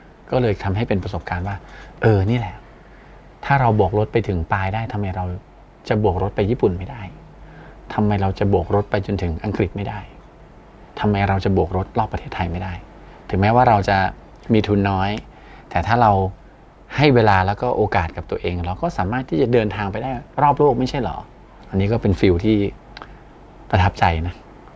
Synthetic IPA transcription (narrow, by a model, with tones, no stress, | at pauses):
kɔː˥˩lɤː˧jt̪ʰa˧mɦa˥˩jpe˧npɾa˧so˨˩p̚kaː˧nwaː˥˩ʔɤː˧niː˥˩lɛ˨˩ | t̪ʰaː˥˩ɾa˧wbuː˨˩k̚ɾo˦˥t̪̚pa˧jt̪ʰɯ˩˦ŋpaː˧jdaː˥˩jt̪ʰa˧mːa˧jɾa˧w | t͡ɕa˨˩bu˨˩k̚ɾo˦˥t̪̚pa˧jiː˥˩pu˨˩nma˥˩jda˥˩j | t̪ʰa˧mːa˧jɾa˧wt͡ɕa˨˩bu˨˩k̚ɾo˦˥t̪̚pa˧jt͡ɕo˧nt̪ʰɯ˩˦ŋʔa˧ŋkɾi˨˩t̪̚ma˥˩jda˥˩j | t̪ʰa˧mːa˧jɾa˧wt͡ɕa˨˩bu˨˩ək̚ɾo˦˥t̪̚lɔː˥˩pːɾt̪ʰeː˥˩t̪ʰːa˧jma˥˩jda˥˩j | t̪ʰɯ˩˦ŋmɛː˦˥waː˥˩ɾa˧wt͡ɕa˨˩ | miː˧t̪ʰu˧nːɔː˦˥j | t̪ɛː˨˩t̪ʰaː˥˩ɾa˧w | ha˥˩jweː˧laː˧lɛː˦˥wkɔː˥˩ʔoː˧kaː˨˩t̪̚ka˨˩t̪u˧ʔeː˧ŋɾa˧wkɔː˥˩saː˩˦maː˥˩t̪ʰiː˥˩t͡ɕa˨˩dɤː˧nt̪ʰaː˧ŋpa˧jdaː˥˩jɾɔː˥˩p̬̚loː˥˩k̚ma˥˩jt͡ɕʰa˥˩jlɔ̰ː˩˦ | ʔa˧nːiː˦˥kɔː˥˩pe˧nfi˧wt̪ʰiː˥˩ | pɾa˧t̪ʰa˦˥p̚t͡ɕa˧jna˦˥k